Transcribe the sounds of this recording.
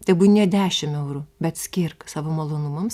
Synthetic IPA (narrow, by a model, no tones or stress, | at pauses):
t̪ʲɛɪbuːnʲɛd̪ʲæːʃʲɪmɛʊɾubʲɛt̪sʲkʲirksɑːʋomɐlˠoːnumɐms